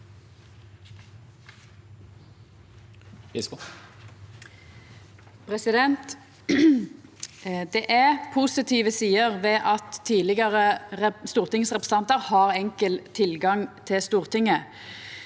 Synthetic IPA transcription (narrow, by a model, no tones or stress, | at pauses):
pʰʁɛsɪd̪ɛnt̪ | d̪ɛʔæpʰusɪt̪ʰiːʋəsiːəʁʋeːʔɑt̪ʰːiːlɪɡəʁəst̪uːʁt̪ɪŋsʁɛpʁ̥ə̥sɑnt̪əʁhɑːʁɛŋkəlt̪ʰɪlɡɑŋt̪ʰɪst̪uːʁt̪ʰɪŋə